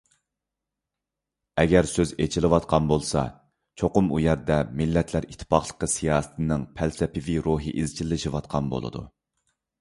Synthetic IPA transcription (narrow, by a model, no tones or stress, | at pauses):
ɛɡʲɛɾsøzet͡ʃʰilɨwɑt̪qʰɑnbolˠsɑ̰ | t͡ʃʰoqʊmujɛɾd̪ɛmilːɛt̪ʰlæɾit̪ʰːɨ̥pɑχlˠə̥qːəsijɑːsɨ̥t̪ʰɨnɪŋpʰælsɛpʰɪviɾoɦḭʔizt͡ʃʰilːɪʃiwɑt̪̚qʰɑnbo̰lˠɨ̰d̪ṵ